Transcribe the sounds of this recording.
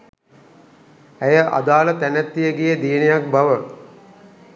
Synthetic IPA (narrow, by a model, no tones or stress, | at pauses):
æjəʔa̰d̪aːlət̪ænæt̪ːijəɡijed̪ijnijak̚bɐʋə